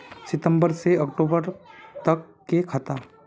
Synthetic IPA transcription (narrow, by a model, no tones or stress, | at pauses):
sɪt̪ə̃mbəɾseɐkʈoːbəɾt̪ɐkːekʰət̪aː